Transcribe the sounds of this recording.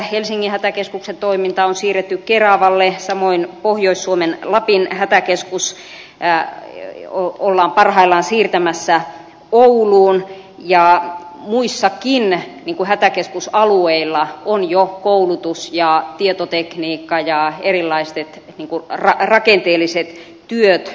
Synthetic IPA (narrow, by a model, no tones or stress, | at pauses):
helsiŋːihæt̪ækeskuksent̪oimint̪ɑonsiːret̪ːykkerɑʋɑlːesɑmoinpohjoisːuomenlɑpinhæt̪ækeskus | oolːɑːmpɑrhɑilːˑɑːnsiːrt̪æmæsːæ | ouluːn | jɑmuisːɑkinniːŋkuhæt̪ækeskusɑlueilːɑonjokoulut̪usjɑt̪iet̪ot̪ekniːkːɑjɑerilːˑɑist̪et̪ | niːŋkurɑrɑkent̪eːlːˑiset̪ | t̪yøt̪